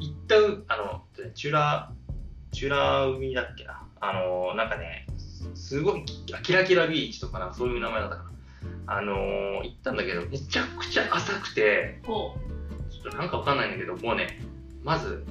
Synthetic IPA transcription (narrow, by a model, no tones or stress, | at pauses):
it̪ːaɯano̞t̪ːonet͡ɕɨɾa | t͡ɕɨːɾaɯ̟mʲid̪akːe̞naːno̞nãŋkane̞̰sɨɡo̞iakʲiɾakʲiɾabʲiit͡ɕi̥t̪o̞kanãŋkḁso̞ːjɯ̟ːnamaed̪at̪ːakaɾa | a̰no̞it̪ːãnd̪ake̞d̪o̞me̞t͡ɕakɯ̟̥t͡ɕaʔasakɯ̟̥t̪e̞ | t͡ɕo̥t̪ːonãŋkaβakãnːaĩnd̪ake̞d̪o̞mo̞ːne̞̰ | mazɨ̰